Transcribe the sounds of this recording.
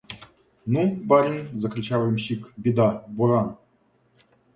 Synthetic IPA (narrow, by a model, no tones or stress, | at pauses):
nubaɾʲinʲzakɾʲit͡ɕavmɕikbʲid̪abuɾɑn